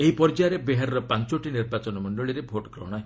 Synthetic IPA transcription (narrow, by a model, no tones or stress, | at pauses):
eɦipɔɾd͡ʒaɾebeɦaɾɔɾɔpant͡ʃoʈiniɾbat͡ʃɔnɔmɔɳɖɔɭiɾebʱoʈɔɡɾɔ̰ɽ̃ae